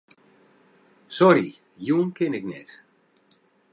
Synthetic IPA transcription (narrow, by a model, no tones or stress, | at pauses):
sɔɾi | juːnkɪnɪknɛt